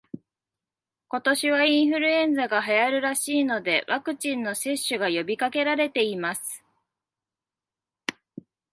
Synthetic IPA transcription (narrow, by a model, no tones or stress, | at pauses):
ko̞t̪o̞ɕiβ̞aĩɰ̃ɸɯ̟ɾɯ̟ẽ̞nd͡zaɡaɦajaɾɯ̟ɾaɕiːno̞d̪e̞βakɯ̟t͡ɕĩnːo̞se̞ɕːɨɡajo̞bʲikake̞ɾaɾe̞t̪e̞imasɨ̥